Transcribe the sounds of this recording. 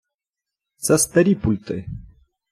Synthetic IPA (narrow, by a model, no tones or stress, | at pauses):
t͡sast̪eɾipult̪ḛ